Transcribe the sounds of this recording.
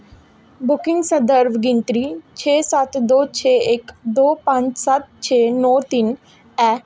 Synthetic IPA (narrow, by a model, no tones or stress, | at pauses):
bʊkɪ̃ŋɡsəd̪əɾʋɡɪnʈɾiːt͡ʃʰeːsat̪d̪oːt͡ʃʰeːekd̪oːpãɲt͡ʃsat̪̚t͡ʃʰeːnɔːt̪in | ɛː